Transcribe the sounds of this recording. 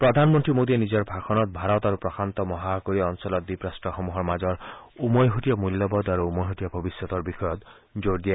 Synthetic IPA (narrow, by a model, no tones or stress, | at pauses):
pɾɔd̪ʱanmɔnt̪ɾimod̪ienid͡ʒɔɾbʱakʰɔnɔt̪̚bʱaɾɔt̪aɾupɾɔkʰant̪ɔmɔɦakoɾiɔnsɔlɔt̪̚b̪ipɾasʈɔxɔmuɦɔɾmad͡ʒɔɾ | umojɦotijɔmulːɔbɔd̪aɾuːmɔjɦot̪ijɔbʱɔbisjɔt̪ɔɾbixʰɔjɔt̪ | d͡ʒoɾd̪ija